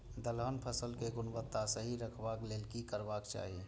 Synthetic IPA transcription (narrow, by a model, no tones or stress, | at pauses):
d̪əlɦənpʰəsəlkeɡʊnbət̪ːasəɦiɾəkʰbakleːlkikəɾbaːkt͡ʃa̰ːɦie